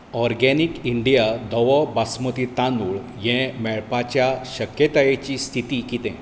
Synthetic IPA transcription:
ɔɾɡɛnikiɳɖijad̪ɔʋɔbasmət̪it̪ãnuɭ | jɛ̃mɛɭpat͡ɕjaɕəkjət̪ajet͡ɕist̪ʰit̪ikit̪ɛ̰̃

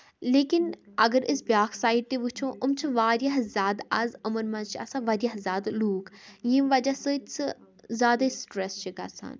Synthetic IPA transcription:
leːkɪnɐɡəɾɪsbʲjaːkʰsaːiɖ̚t̪eʋut͡ʃʰõʔʊmt͡ʃʰiʋaːɾʲjaɦzʲaːd̪ɐzəmənmɐt͡ʃʰiɐ̰sãʋɐɾʲjaɦzʲaːd̪luːkjĩmʋɐd͡ʒasɨt͡sɨ | zʲaːd̪aisʈɾɛst͡ʃʰika̰ːsʰa̰ːn

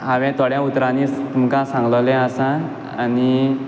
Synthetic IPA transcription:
ɦaʋɛ̃t̪ɔɽjãut̪ɾanit̪umkãsãŋɡləwlɛ̃asã | ani

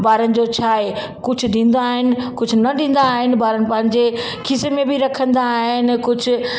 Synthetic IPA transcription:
baːɾənɪ̆d͡ʑot͡ɕʰaːe | kʊd͡ʑʱʊ̆ɗĩːn̆d̪aːɦɪnɪ̆kʊd͡ʑʱʊ̆nɐɗĩːn̆d̪aːɦɪnɪ̆baːɾənɪ̆pɐ̃ɦɪ̃ɲd͡ʑe | kʰɪsemẽbiɾɐkʰə̃nd̪aːɦɪnkʊd͡ʑʱʊ̆

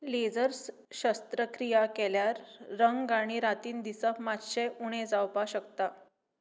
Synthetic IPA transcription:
led͡zəɾs | ɕəst̪ɾəkɾijakɛljaɾːəŋɡaɽ̃iɾat̪iːnd̪isəfmat̪ɕeuɽ̃ed͡zawpaɕəkt̪a

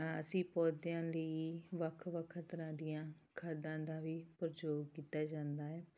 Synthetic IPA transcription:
ə̰sĩːpɔːd̪ɪjãːləiːʋəkʰʋəkʰːt̪əɾãːd̪ijãː | kʰaːd̪ãːd̪aːʋiːpəɾd͡ʒoːɡkiːt̪aːd͡ʒãːnd̪aːɦɛː

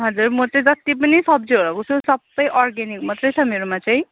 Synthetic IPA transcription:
ɦʌd͡zurmʌt͡saĩd͡zʌt̪ip̬ʌnisʌb̚d͡zeɾʌkot͡sʰusʌbːʌjʔɔrɡenik̚mat̪rʌjt͡sʰʌmeɾomat͡saĩ

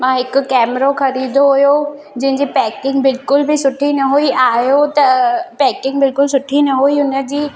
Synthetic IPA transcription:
mãːɦɪkkɛːmɾoxɐɾiːd̪ʱoɦʊjo | d͡ʑɐ̃ɦɪ̃ɲd͡ʑepɛːkɪ̃ŋɡbɪlkʊlbʱisʊʈʰinɐɦuiʔaːjot̪ɐpɛːkɪ̃ŋɡbɪlkʊlsʊʈʰinɐɦoiʊnə̆d͡ʑiː

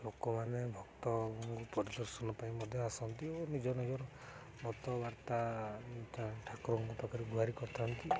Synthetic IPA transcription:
lokɔmanebʱɔkt̪ɔɔŋɡupɔɾid̪ɔɾsɔnɔpaĩmɔd̪ʱjɔasɔnt̪ionid͡ʒɔnid͡ʒɔɾɔ | mɔt̪ɔbaɾt̪aʈaʈʰakɾɔŋkɔpakaɾiɡuɦaɾikɔɾt̪ʰant̪i

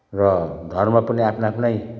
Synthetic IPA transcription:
rʌd̪ʱʌrmapʌniapʰnaapʰnʌj

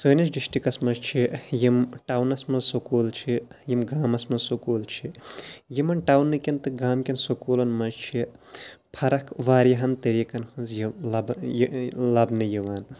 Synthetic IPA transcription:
səːnit͡ʃɖiʃʈikɐsmɐzt͡ʃʰijimʈawnɐsmɐzsokoːlt͡ʃʰijimɡaːmɐsmɐzsokoːlt͡ʃʰijimɐnʈaːwnːɨkʲint̪ɨɡaːmkʲɐnsokoːlɐnmɐzt͡ʃʰi | pʰɐɾɐkʰʋaːɾjɐɦɐnt̪ɐɾiːkɐnhɨnzjlɐb | lɐbnɨjiʋaːn

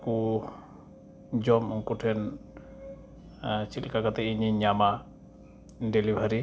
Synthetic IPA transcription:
ku | d͡ʒɔmɔŋkuʈʰɛn | t͡ʃilkakat̪ɛiɲiɲama | ɖɛlibʱaɾi

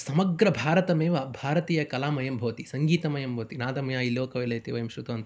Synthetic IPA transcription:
sɐmɐɡɾɐbʱaːɾɐt̪ɐmeːʋɐbʱaːɾɐt̪iːjɐkɐlaːmɐjɐmbʱɐʋɐt̪isɐŋɡiːt̪ɐmɐjɐmbʱɐːɐt̪inaːd̪ɐmɐjaːjiloːkɐʋelɐjt̪iʋɐjɐmʃɾut̪oːnt̪

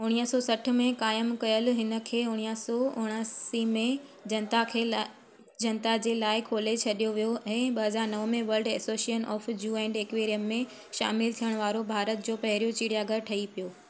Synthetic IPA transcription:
ɦʊɽ̃iːəsɔːsɐʈʰʊ̆mẽkaːjəmkɐjəlɦɪnə̆kʰeːʊɽ̃ijsɔːʊɦɽ̃əsimẽ | d͡ʑɐnt̪akʰeː | d͡ʑɐnt̪ad͡ʑeːlaːɪkʰoːlet͡ɕʰɐɗijoʋijoʔɛ̃ːɓɐɦɐzaːɾnɐʋmẽʋɐlɖɛ̰ːsoːsiənʔɔ̰ːfd͡ʑuːɛ̃ːɪɳɖeːkʋeːɾijəmːẽ | ʃa̰ːmɪlt̪ʰijəɽ̃ʋaːɾobʱaːɾət̪̚d͡ʑoːpɐɦɪɾijot͡ɕiːɽijaːɡəɾʈʰɐipijoː

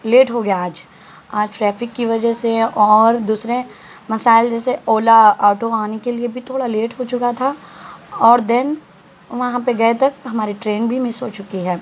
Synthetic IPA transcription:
leːʈɦoɡjaːd͡ʒ | aːd͡ʒʈɾɛːfɪkːiʋɐd͡ʒəɦseʔɔːɾd̪uːsɾẽ | mɐsaːɪld͡ʒɛːseoːlaɔːʈoaːnekeliebʱit̪ʰoːɽaleːʈɦot͡ʃʊkat̪ʰa | ɔːɾd̪ɛn | ʋɐɦãpeɡɐet̪ɐkɦɐmaːɾiʈɾeːnbʱimɪsɦot͡ʃʊkiɦɛː

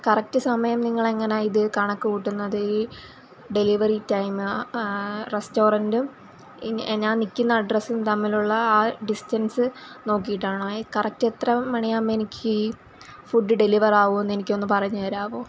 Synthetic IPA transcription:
kɐrɐk̚tɨsɐmɐjɐmniŋːɐɭeŋːɐnaːjiðɨkɐɳɐkːuuʈːunːɐðɨi | ɖe̞liʋɐritɐjmɨ | re̞sto̞ːrɐndum | ɲaːnnikʲːunːɐːɖrɐsumt̪ɐmːiluɭːɐaːɖistɐnsɨno̞ːkːijiʈːaːɳoːkɐrɐk̚tːet̪rɐmɐɳijaːmːenikʲʰːɨ | fuɖːɨɖe̞liʋɐraːʋue̞nːe̞nikʲːo̞nːɨpɐrɐɲːuɐɾaːʋoː

